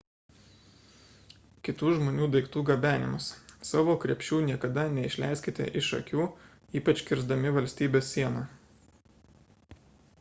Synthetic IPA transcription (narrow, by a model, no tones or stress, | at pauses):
kʲɪt̪uːʒmoːnʲuːd̪ɐɪkt̪uːɡɐbʲæːnʲɪmʊssɑːʋoːkɾʲɛpʲʃʲuːnʲiɛkɐd̪ɐnʲɛɪʃʲlʲæ̰ˑɪsʲkʲɪt̪ʲḛʔɪʃɐ̰kʲuː | iːpɐt͡ʃʲkʲɪɾzd̪ɐmʲɪʋɐlʲsʲt̪ʲiːbʲeːsʲːiɛnɑː